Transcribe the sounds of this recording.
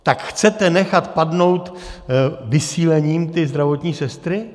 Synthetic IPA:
t̪akxt͡sɛt̪ɛnɛxat̪padno̞wt̪ | vɪsiːlɛɲiːmt̪ɪzd̪ɾavot̪ɲiːsɛst̪ɾɪ

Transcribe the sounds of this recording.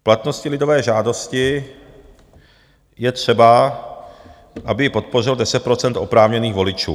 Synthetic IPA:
plat̪no̞scɪlɪdo̞vɛːʒaːdo̞scɪ | jɛt̪r̝̥ɛba | ʔabɪjɪpo̞t̪̚po̞rɪldɛsɛt̪̚pɾo̞t͡sɛnt̪ʔo̞pɾaːvɲɛniːɣvo̞lɪt͡ʃṵː

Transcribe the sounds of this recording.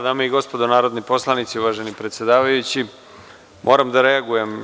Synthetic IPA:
d̪aːmaiɡo̞spod̪onaːɾod̪nipo̞slˠanit̪siuʋaːʒenipɾet̪sjed̪aːʋajut͡ɕi | mʔo̞ːɾamd̪aɾe̞aɡuje̞m

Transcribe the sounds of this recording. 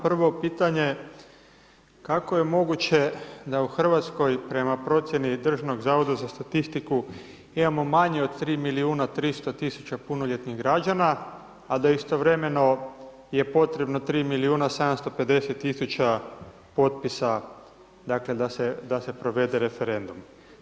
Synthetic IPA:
pr̩ʋo̞piːt̪aɲe̞ | kako̞je̞mo̞ɡut͡ɕe̞d̪auxr̩ʋat̪sko̞jpɾe̞mapɾo̞t̪sje̞nid̪r̩ʒano̞ɡzaʋo̞d̪azast̪at̪ist̪iku | imamo̞maɲeod̪t̪ɾiːmiliuːnat̪ɾist̪o̞t̪isu̥t͡ɕapunoʎe̞t̪niɣɡɾad͡ʒanaː | d̪aist̪o̞ʋɾe̞me̞no̞ | je̞po̞t̪ɾe̞bno̞t̪ɾiːmiliuːnased̪amst̪o̞pe̞d̪e̞set̪ːisut͡ɕa | po̞t̪pisa | d̪akle̞d̪ased̪ase̞pɾo̞ʋe̞d̪e̞ɾe̞fe̞ɾe̞nd̪um

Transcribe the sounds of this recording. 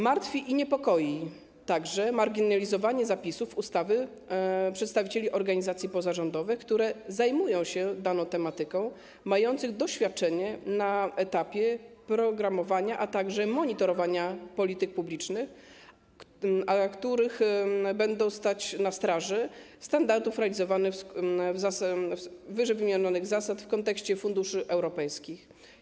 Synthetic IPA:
maɾt̪fʲiʔiɲɛpɔkɔji | t̪aɡʐɛmaɾɡʲinalʲizɔvaɲɛzapʲisufust̪avɘ | pʂɛt̪st̪avʲit͡ɕelʲiʔɔɾɡaɲizat̪sʲjipɔzaʐɔnd̪ɔvɛjkt̪uɾɛzajmujɔ̃w̃ɕɛd̪anɔ̃w̃t̪ɛmat̪ɘkɔ̃w̃ | majɔnt̪sɘɣd̪ɔɕfʲjat̪̚t͡ʂɛɲɛnaɛt̪apʲjɛpɾɔɡɾamɔvaɲaʔat̪aɡʐɛmɔɲit̪ɔɾɔvaɲapɔlʲit̪ɘk̚publʲit͡ʂnɘx | akt̪uɾɘxbɛnd̪ɔ̃w̃st̪at͡ɕnast̪ɾaʐɛst̪and̪aɾd̪ufɾɛalʲizɔvanɛvzas | vɘʐɛjvɘmjaɲɔnɘɣzasat̪fkɔnt̪ɛkɕt͡ɕɛfund̪uʂɘʔɛwɾɔpɛjskʲix

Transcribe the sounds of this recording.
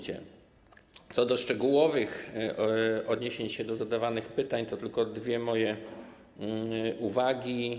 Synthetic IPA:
t͡ɕɛ̰ | t̪sɔd̪ɔʂt͡ʂɛɡuwɔvɘx | ɔd̪ɲeɕeɲɕɛd̪ɔzad̪avanɘxpɘt̪aɲt̪ɔt̪ɘlkɔd̪vʲjɛmɔjɛ | ʔuvaɡʲi

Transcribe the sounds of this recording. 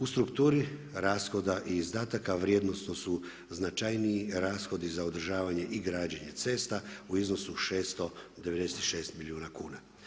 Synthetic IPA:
ust̪ɾukt̪uːɾi | ɾaːsxo̞d̪aʔiːzd̪aːt̪akaʋɾjed̪no̞sno̞su | znat͡ʃajniiɾaːsxo̞d̪izaod̪r̩ʒaːʋaɲe̞ʔiɡɾaːd͡ʑeɲe̞t̪se̞ːst̪auizno̞suʃeːst̪o̞d̪e̞ʋe̞d̪eset̪iʃe̞ːst̪miliuːnakuːna

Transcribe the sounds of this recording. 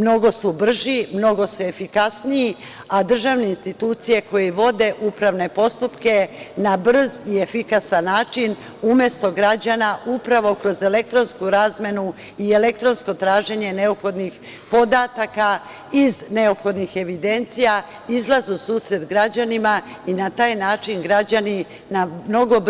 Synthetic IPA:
mno̞ɡo̞subr̩ʒimno̞ɡo̞sue̞fikasniji | ad̪r̩ʒaʋne̞inst̪it̪uːt̪sije̞ko̞jeʋo̞d̪e̞ʔupɾaʋne̞po̞st̪upke̞nabr̩zie̞fikasanːaːt͡ʃin | umje̞st̪o̞ɡɾad͡ʑanaʔupɾaʋo̞kɾo̞ze̞le̞k̚t̪ɾo̞nskuɾaːzmje̞nu | ie̞le̞kt̪ɾo̞nsko̞t̪ɾaːʒe̞ɲe̞ne̞opxo̞d̪nix | po̞d̪at̪aka | izne̞opxo̞d̪nixe̞ʋid̪e̞nt̪sija | izlˠazusuːsɾe̞d̪ɡɾad͡ʑanimainat̪aːjnaːt͡ʃinɡɾad͡ʑani | namno̞ɡo̞b

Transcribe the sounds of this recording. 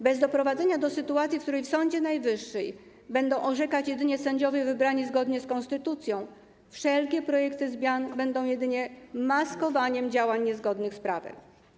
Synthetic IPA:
bɛzd̪ɔpɾɔvad̪zɛɲad̪ɔsɘt̪uat̪sʲjifk̚t̪uɾɛjfsɔɲd͡ʑɛnajvɘʂːɛj | bɛnd̪ɔ̃w̃ʔɔʐɛkat͡ɕjɛd̪ɘɲɛsɛɲd͡ʑɔvʲɛvɘbɾaɲizɡɔd̪ɲɛskɔnst̪ɘt̪ut̪sʲjɔ̃w̃ | fʂɛlkʲɛpɾɔjɛkt̪ɘzmʲjanbɛnd̪ɔ̃w̃jɛd̪ɘɲɛmaskɔvaɲɛmd͡ʑawaɲːɛzɡɔd̪nɘxspɾavɛ̰m

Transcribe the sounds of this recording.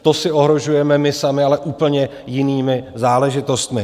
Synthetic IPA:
t̪o̞sɪʔo̞ɦɾo̞ʒujɛmɛmɪsamɪalɛʔuːpl̩ɲɛ | jɪniːmɪzaːlɛʒɪt̪o̞st̪mɪ

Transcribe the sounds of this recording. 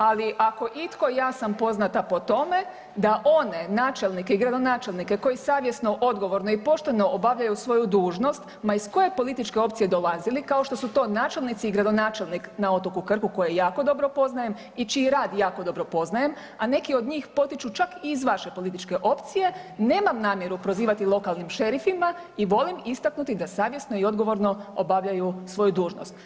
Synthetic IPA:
aliʔako̞ʔit̪ko̞jaːsampo̞znat̪apo̞t̪o̞me̞ | d̪aʔo̞ne̞naːt͡ʃe̞lnike̞iɡɾad̪o̞naːt͡ʃe̞lnike̞ko̞jisaːʋje̞sno̞ʔo̞d̪ɡo̞ʋoɾno̞ipo̞ʃt̪e̞no̞obaʋʎajusʋo̞jud̪uːʒno̞st̪ | maisko̞je̞po̞lit̪it͡ʃke̞o̞p̚t̪sije̞d̪o̞lazilikaoʃt̪o̞sut̪o̞ːnaːt͡ʃe̞lnit̪siːɡɾad̪o̞naːt͡ʃe̞lniknao̞t̪okukr̩kuko̞jejaːko̞d̪o̞bɾo̞po̞znaje̞m | it͡ʃiiɾaːd̪jaːko̞d̪o̞bɾopo̞znaje̞m | ane̞kio̞d̪ɲiːxpo̞t̪it͡ʃut͡ʃakiːzʋaʃe̞po̞lit̪it͡ʃke̞ʔo̞pt̪sije̞ne̞ːmamnaːmje̞ɾupɾo̞ziːʋat̪ilˠo̞kalˠnimʃe̞ɾifimaiʋo̞limist̪aknut̪id̪asaːʋje̞sno̞io̞d̪ɡo̞ʋo̞ɾno̞o̰baʋʎajusʋo̞jud̪uːʒno̰st̪

